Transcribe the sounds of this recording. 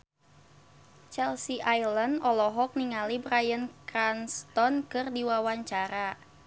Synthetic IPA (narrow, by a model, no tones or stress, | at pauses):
t͡ʃɛlsiʔajləndʔɔlɔɦɔk̚niŋalibɾajənkɾanst̪ɔnkɨrdiwawaɲt͡ʃaɾa